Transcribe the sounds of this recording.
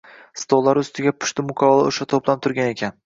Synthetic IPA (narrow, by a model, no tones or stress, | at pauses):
st̪ʰolˠːaɾʊst̪ɪɡʲapʰʊ̥ʃt̪ɪmʊkʲʰavɒlˠaoʃat̪ʰoplˠat̪ʰʊɾɡʲane̞kʲʰan